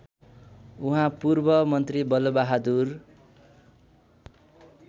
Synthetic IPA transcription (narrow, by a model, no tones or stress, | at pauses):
uɦãpurbʌmʌnt̪ribʌlobaɦad̪ur